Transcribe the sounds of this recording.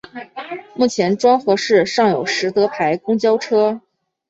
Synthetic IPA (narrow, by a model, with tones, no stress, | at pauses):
mu˥˩t͡ɕʰjɛ˧˥nʈ͡ʂwɑ˥ŋxɤ˧˥ʂɻ̩˥˩ʂɑ˥˩ŋjo˨˩ʊʂɻ̩˧˥t̪ɤ˧˥pʰa˧˥ɪkʊ˥ŋt͡ɕjɑ˥ʊʈ͡ʂʰɤ˥